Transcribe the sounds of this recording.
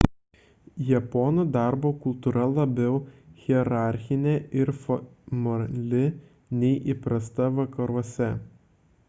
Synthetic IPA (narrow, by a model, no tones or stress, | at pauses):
jɛpɔnud̪ɑˑɾboːkʊlˠt̪uːɾɐlˠɐbʲɛʊɣʲiɛɾɑˑɾʲxʲɪnʲeɪɾfɔmɐlʲɪ | nʲɛɪʔipɾɐst̪ɐʋɐkɐɾuɔsʲɛ